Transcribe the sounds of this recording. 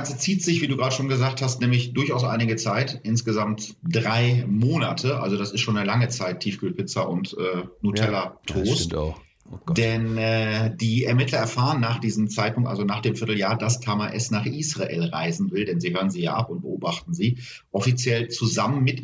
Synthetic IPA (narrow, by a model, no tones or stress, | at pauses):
ant͡sət͡siːtz̥ɪçv̥iːduːɡʁaːdəʃoːnɡəzaːk̚thastnɛːmlɪçd̥ʊɐçaʊsʔa̰ɪnɪɡət͡saɪtʔɪnsɡ̥əzamtd̥ʁaɪmoːnatʰəʔa̰lzodasɪstʃoːnəlaŋət͡saɪtʰiːfɡ̥yːpʰɪt͡sɐʔʊ̰ntʔɛːnutʰɛlɐtʁ̥oːst | d̥ɛnɛːdiːɛɐmɪtʰlɐɛɐfaːʁənːaːχd̥iːzəm̩t͡saɪt̚pʰʊŋtʔa̰lzonaːχd̥eːmfɪɐtl̩jaːɐdastʰaːmaʔɛsnaːχʔiːsʁ̥aʔḛːlʁa̰ɪzn̩vɪldɛnziːhøːʁənziːja̰ːʔa̰pʊnt̚b̥əʔoːbaχt̚n̩ziː | ʔɔfit͡sjɛlt͡suzamənmɪt